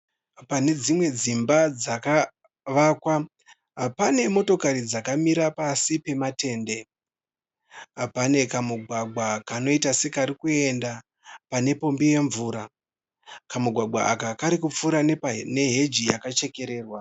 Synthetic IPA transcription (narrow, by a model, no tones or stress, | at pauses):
pane̞d͡zimwe̞d͡zimbad͡zaka | ʋakwa | ɦapane̞mo̞to̞kaɾid͡zakamiɾapasipe̞mate̞ːnde̞ | apane̞kamuɡʱwaɡ͡bwakano̞itase̞kaɾikue̞nda | pane̞po̞mbije̞ɱvuːɾa | kamuɡʱwaɡ͡baa̰kakaɾikup͡fuɾanne̞ɦe̞d͡ʒijakat͡ʃe̞ke̞ɾe̞ːrwa